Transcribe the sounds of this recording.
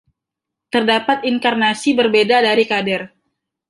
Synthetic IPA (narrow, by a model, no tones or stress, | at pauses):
t̪ərdapat̪̚iŋkarnasibərbedadaɾikadɛr